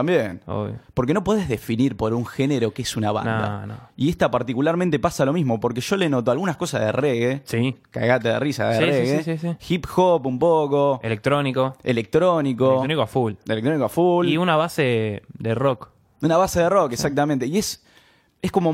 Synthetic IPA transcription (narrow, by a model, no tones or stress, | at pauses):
ambjeno̰jpo̞ɾk̬eno̞po̞ð̞e̞ɦðe̞finiɾpo̞ɾuŋxeneɾo̞keesunaβa̰nnd̪a̰n̰ie̞ht̪apaɾt̪ikulaɾmẽnt̪e̞pasalo̞mizmo̞po̞ɾke̞ʃo̞lenot̪oalɣunahko̞saðereɣesika̰ɣat̪eðḛrisa̰ðereɣesisixipxopumpoko̞elek̚t̪ɾonikoḛlek̚t̪ɾo̞niko̞ũnikoafulḛlek̚t̪ɾonikoafuliunaβased̪erok | unaβase̞ðerokeksak̚t̪amẽnt̪e̞ie̞s | e̞hko̞mo